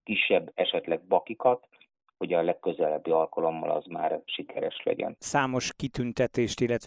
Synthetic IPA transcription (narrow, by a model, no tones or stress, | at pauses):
kiʃːɛbːɛʃɛt̪lɛɡ̚bɒkikɒt̪ | ho̞ɟɒlɛkːøzɛlɛbːiɒlkɒlo̞mːɒ̰lɒ̰zma̰ːrʃikʰɛɾɛʃlɛ̰ɟɛ̰nsaːmo̞ʃkit̪ynt̪ɛt̪eːʃt̪ilːɛt̪